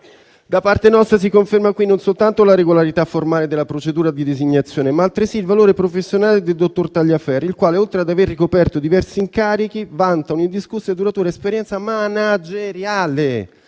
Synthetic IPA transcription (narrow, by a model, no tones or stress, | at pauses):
d̪apart̪enɔst̪ɾas̬ikoɱfermakwinːonsolt̪ant̪olaɾeɡolaɾit̪afːormaːled̪elːapɾot͡ʃed̪uːɾad̪id̪eziɲːat̪sːjoːnemaːlt̪ɾesiːlvaloːɾepɾofesːjonaːled̪eld̪ot̪ːort̪aʎjafɛrilkwaːleolt̪ɾead̪averːikopɛrt̪od̪ivɛrsiːŋkaːɾik̟ivant̪anoind̪iskusːed̪uɾat̪uːɾaespeɾjɛnt̪samanad͡ʒeɾjaːle